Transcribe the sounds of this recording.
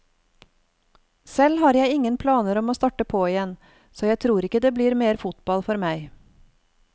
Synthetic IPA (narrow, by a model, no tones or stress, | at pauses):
sɛlhɑːɾjæɪɪŋənpʰlɑːnəɾɔmoːst̪ɑːʈəpʰoːɪjɛn | soːjæɪt̪ʰɾuːɾɪkəd̪eːbliːɾmeːɾfʊt̪bɑlfɔɾmæɪ